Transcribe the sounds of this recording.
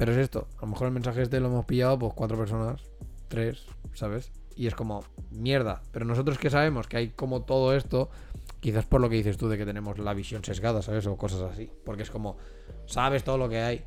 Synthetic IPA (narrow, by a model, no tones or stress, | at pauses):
peɾoese̞st̪o̞̰alo̞me̞xoɾelmẽ̞nsaxeest̪e̞lo̞e̞mo̞spiʝaop̬o̞skwat̪ɾo̞pe̞ɾs̬o̞nas | t̪ɾe̞sː | aβ̞e̞s | ie̞sko̞mo̞mje̞ɾð̞ape̞ɾo̞no̞so̞t̪ɾo̞ske̞saβe̞mo̞skeajko̞mo̞t̪o̞ð̞oe̞st̪o̞ | kiθaspo̞ɾloke̞ðiθest̪uðe̞ke̞t̪e̞ne̞mo̞zlaβisjo̞nse̞zɣaðasaβe̞soko̞sasasipo̞ɾkee̞sko̞mo̞ | saβ̞e̞st̪o̞ðolo̞ke̞aj